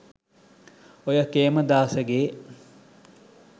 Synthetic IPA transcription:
ojəkeːməd̪aːsəɡeː

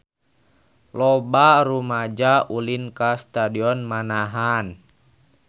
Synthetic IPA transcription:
lɔbaɾumad͡ʒaʔulinkast̪adiɔnmanaɦan

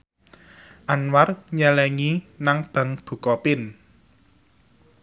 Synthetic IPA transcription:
ʔanwarɲɛlɛŋinaŋb̥a̤ŋb̥ṳkɔpɪn

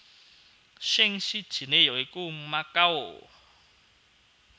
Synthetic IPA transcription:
ʃeŋʃi̥ʒ̥ʰʱinejɔekumakawɔ̰ː

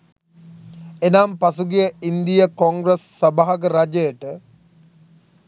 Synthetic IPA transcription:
enaːmpasuɡijəind̪ijəkoŋɡɾesːɐbaɦɐɡəɾad͡ʒəjəʈə

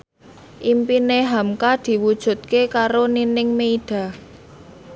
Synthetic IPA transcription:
ʔimpineɦamkad̪̥i̤wud̥ʒ̥ṳt̪̚kekaɾoninɪŋmeiɖ̥ä̤

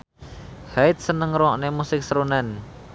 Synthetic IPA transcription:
haɪt̪̚sənəŋɾɔʔnemusɪk̚səɾonɛn

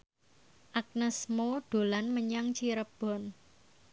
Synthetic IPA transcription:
ʔak̚nəsmoɖ̥o̤lanməɲaŋt͡ʃiɾəb̥ɔ̤n

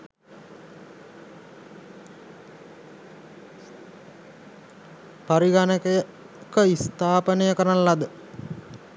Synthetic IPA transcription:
paɾiɡanəkəjə | kəist̪aːpənəjəkəɾanlad̪ə

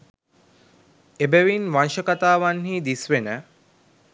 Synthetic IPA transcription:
ebæʋinʋanʃəkat̪aːʋanhiːd̪isʋenə

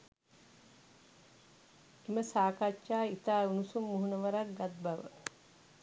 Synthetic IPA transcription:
iməsaːkat͡ʃʃaːit̪aːunusumːuɦunəʋəɾak̚ɡat̪̚baʋə̰

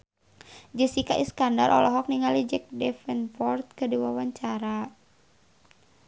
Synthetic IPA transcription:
d͡ʒəsikaʔiskanda̰rʔɔ̰lɔɦɔk̚niŋalid͡ʒɛk̚dɛfɛnfɔrt̪̚kədiwawaɲt͡ʃaɾa

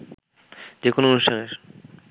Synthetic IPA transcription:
d͡ʑekonoonuʃtʰaneɾ

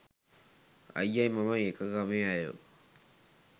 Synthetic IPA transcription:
a̰jːajmamajekaɡameajo̰

